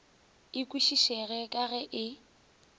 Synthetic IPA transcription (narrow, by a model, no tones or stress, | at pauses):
ɪkʼwiʃiʃɛɣɛkʼaɣɛʔɪ